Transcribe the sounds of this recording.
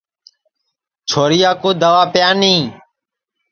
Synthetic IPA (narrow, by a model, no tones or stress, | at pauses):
t͡ʃʰoːɾɪjaːkoːd̪əʋaːpɪjaːnĩː